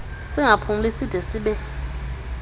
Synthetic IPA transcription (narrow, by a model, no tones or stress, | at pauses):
sɪŋapʰum̩lisid̥ʱɛsiɓɛ